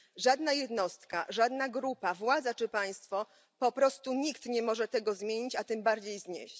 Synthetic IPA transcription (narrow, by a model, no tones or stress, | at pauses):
ʐad̪najɛd̪nɔst̪ka̰ʐad̪naɡɾupavwad̪zat͡ʂɘpaj̃st̪fɔ | pɔpɾɔst̪uɲikt̪ɲɛmɔʐɛt̪ɛɡɔzmʲjeɲit͡ɕat̪ɘmbaɾd͡ʑejzɲḛɕt͡ɕ